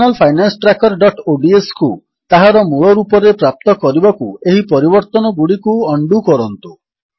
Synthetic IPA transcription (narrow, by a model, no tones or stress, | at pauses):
nalpʰajnansɔ̥ʈɾakɔɾɖɔʈoɖiesku | t̪aɦaɾɔmuɭɔɾupɔɾepɾap̚t̪ɔkɔɾibakueɦipɔɾibɔɾt̪ɔnɔɡuɽikuɔɳɖukɔɾɔnt̪u